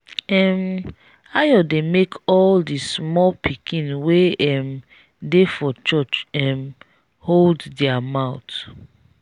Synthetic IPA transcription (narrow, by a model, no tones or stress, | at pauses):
ɛm | ajɔdemekʰɔldismɔlpʰikĩnweɛm | defɔt͡ʃɔt͡ʃɛm | holddɛamaʊt